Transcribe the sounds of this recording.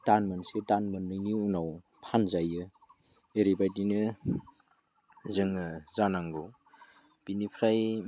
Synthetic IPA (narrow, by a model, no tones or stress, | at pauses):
tanmɯnsetanmɯnːɯniunaw | pʰanzajɯ | eɾibajdinɯ | zɯŋɯzanaŋɡow | b̥inipʰɾaj